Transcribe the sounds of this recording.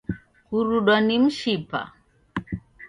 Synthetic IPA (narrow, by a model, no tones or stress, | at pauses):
kuɾuɗɔnim̩ʃipa̰